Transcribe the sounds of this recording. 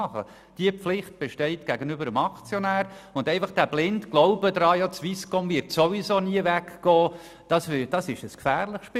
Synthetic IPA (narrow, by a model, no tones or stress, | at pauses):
ɑχə̰ | d̥iəpflɪχt̚b̥eʃtɛɪtɡ̥æɡənybəɾəmɑkt͡sjonæːɾʊndɛɪfɑχd̥æb̥lɪntɡ̥loʊbədɾɑːjɑt͡sʋiskɔmvɪtsovisoːniəvækɡ̥ɔː | d̥ɑsɪd̥ɑsɪʃəskfæːrlɪχʃpɪ